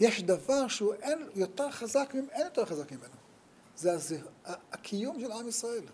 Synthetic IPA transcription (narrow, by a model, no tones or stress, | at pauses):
jeʃd̪avaʁʃeuʔenjot̪eʁχazakmimʔenjot̪eʁχazakmime̞no | zeazeaakʰijumʃelʕamisʁae̞l